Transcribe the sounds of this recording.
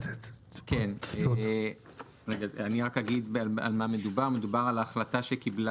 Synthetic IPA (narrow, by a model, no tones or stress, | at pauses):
kene | eɡaaniʁakhaɡidala̰lmame̞dubaʁme̞dubaʁalaːχlataʃekibla